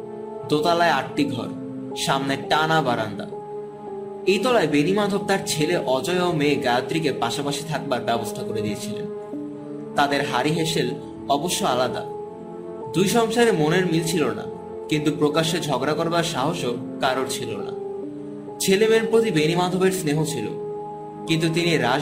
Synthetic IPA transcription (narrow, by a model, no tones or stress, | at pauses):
d̪ot̪alaeaʈːiɡʱɔ̰ɾ | ʃamneʈanabaɾand̪a̰ | ejt̪ɔlaebenimad̪ʱob̚t̪aɾt͡ɕʰeleʔɔd͡ʑɔeomeːɡajot̪ːɾik̬epaʃapaʃit̪ʰak̚baɾbɛbost̪ʰakoɾed̪iet͡ɕʰilḛn | t̪ad̪eɾɦaɾiɦeʃel | ɔboʃːoalad̪a̰ | d̪ujʃɔŋʃaɾemoneɾmilt͡ɕʰilona̰ | kint̪upɾokaʃed͡ʑʱɔɡɾakoɾbaɾʃaɦoʃo | kaɾoɾt͡ɕʰilo̰na̰ | t͡ɕʰelemeɾpɾot̪ibenimad̪ʱobeɾsneɦot͡ɕʰilo̰ | kint̪̬ut̪̬iniɾa